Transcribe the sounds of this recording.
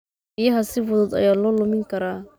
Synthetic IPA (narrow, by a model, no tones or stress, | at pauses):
bijɐɦɐsɪfɔðɔd̪ɐ̰jaːlɔːlʊmɪŋkʰɐɾaː